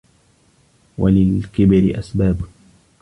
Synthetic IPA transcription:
walɪlkɪbɾɪʔasbaːb

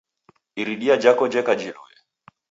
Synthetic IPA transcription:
iɾiɗiad͡ʒakɔd͡ʒɛkad͡ʒinɔ̰jɛ

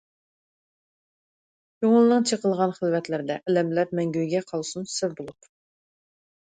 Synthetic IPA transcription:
joŋʊlˠnɨŋt͡ʃʰeqəlˠʁɑnχəlˠvɛt̪lɪɾd̪ɛʔɛlɛmlæɾmɛŋɡʲyjɡʲɛqʰɑlˠsunsɪɾbolˠup

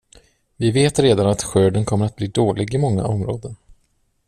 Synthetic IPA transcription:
vɪveːt̪ɾeːd̪anat̪ɧøːɖənkʰɔmːəɾat̪̚bliːd̪oːlʔɪɡɪmɔŋːa̰ɔmɾo̰ːd̪ən

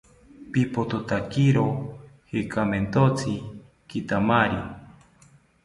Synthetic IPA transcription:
pipot̪ot̪akiɾohekʰament̪ot͡sʰi | kit̪amaɾi

